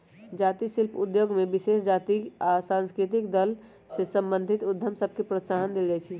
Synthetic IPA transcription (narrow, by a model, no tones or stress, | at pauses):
d͡ʒat̪isilpʰṵd̪joɡmebisesd͡ʒat̪iasãnskɾit̪̬ikd̪əl | sesə̃mbənd̪ʱit̪ud̪ʱːəmsəb̚ʱkepɾət̪saɦənd̪eld͡ʒajt͡ʃʰi